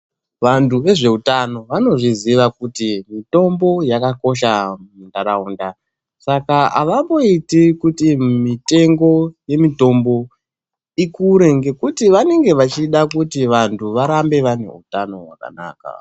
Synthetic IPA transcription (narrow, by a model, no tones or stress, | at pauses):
ʋantʰuʋe̞ʐe̞utano̞ʋano̞ʐiziʋakutimito̞mbo̞jakako̞ʃamundaɾaunda | sakaa̰ʋambo̞itikutimite̞ŋɡo̞je̞mito̞mbo̞ | ikuɾe̞ŋɡe̞kutiʋane̞ŋɡe̞ʋat͡ʃiɗakutiʋantʰuʋaɾambe̞ʋane̞̰ṵtano̞̰ɦwaka̰na̰ːka̰